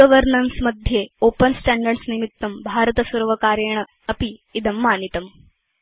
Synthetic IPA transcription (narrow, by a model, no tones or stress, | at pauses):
əʋəɾnɐnsmɐd̪ʱːjeoːpənsʈaɳɖɐɾɖsnimit̪ːɐmbʱaːɾət̪ɐsɐɾʋɐkaːɾjeɳ̃ɐ | ɐpiːd̪ɐmːaːnit̪ɐm